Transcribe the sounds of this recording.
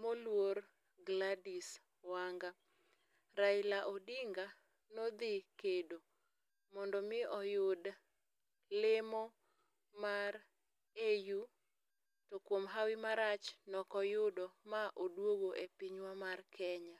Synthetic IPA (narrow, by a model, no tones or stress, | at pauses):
molwoɾ | ɡladis | waŋɡa | ɾaɪlaʔodɪŋɡa | nɔd̪ɪkedo | mɔndɔmɪɔjʊd | lɪmɔ | maɾ | eju | tokwomɦawɪmaɾat͡ʃnɔkɔjʊdɔmaʔodwoɡoʔepiɲwamarkʰɛɲa